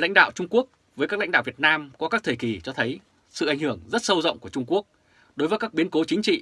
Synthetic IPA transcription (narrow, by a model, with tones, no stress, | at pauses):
la̰˧˥jŋ̟ɗa̰ː˧˨wt͡ɕʊ˧ŋ͡mku˦˥ək̚ | vəː˨˦jkːaː˦˥la̰˧˥ŋ̟ɗaː˧˨vi˨˩t̚naː˧mkɔ˨˦kaː˦˥k̚t̪ʰəː˧˨˩ki˨˩t͡ɕɔ˧t̪ʰə˨˦j | sɨ̰˧˨ʔa˧˩ŋ̟hɨ˧˩əŋzə˦˥t̚sə˧wzə̰˧˨wŋ͡mku˧˩t͡ɕʊ˧ŋ͡mku˦˥ək̚ | ɗo˨˦jvəː˨˦kaː˦˥k̚ɓi˨˦ənko˨˦t͡ɕï˨˦ŋ̟t͡ɕḭ˧˨